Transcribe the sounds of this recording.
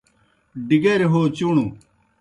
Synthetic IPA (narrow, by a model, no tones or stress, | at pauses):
ɖiɡeɾeɦoːt͡ɕunu